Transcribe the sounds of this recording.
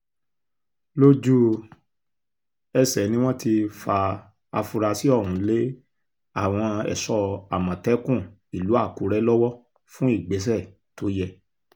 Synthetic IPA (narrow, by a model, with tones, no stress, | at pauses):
lo˦d͡ʒu˦ | ɛ˧sɛ˨˦nĩ˦w̃ɔ̃˦ti˧fa˧ | a˧fu˧ɾa˧si˨˦ɔ˦˨ɾũ˨˦le˦ | a˦˨w̃ɔ̃˧ɛ̰˨sɔ˧a˨mã˨tɛ˨˦kũ˦˨ | i˨lu˨˦a˦˨ku˨˦ɾɛ˦lɔ˦wɔ˦ | fũ˦i˦˨ɡ͡be˨˦s̬ɛ˦˨ | to˨˦jɛ˦˨